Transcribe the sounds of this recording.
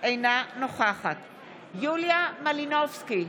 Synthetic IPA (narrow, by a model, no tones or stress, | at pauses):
ejnanoχaχat̪ | juljamalinovski